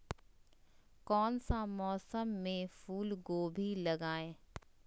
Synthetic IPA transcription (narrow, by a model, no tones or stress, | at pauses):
kɔːnsamɔːsəmːẽfuːlɡoːbʱilɐɡaːẽː